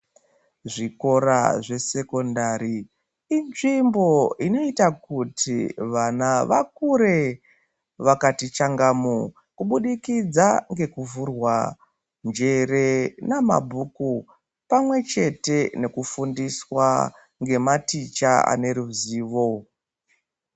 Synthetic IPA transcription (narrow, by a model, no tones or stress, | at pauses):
ʐiko̞ɾa̰ʐe̞se̞ko̞ndaɾi | inʐimbo̞ino̞itakutʰiʋanaʋa̰k̚uɾe̞ | ʋakatit͡ʃaŋɡamu | kuɓuɗikid͡zaŋɡe̞kuvurwa | nd͡ʒe̞re̞nama̰bʱuku | pamwe̞t͡ʃe̞te̞ne̞kufundiswa | ŋɡe̞matit͡ʃaa̰ne̞ɾuziːʋo̞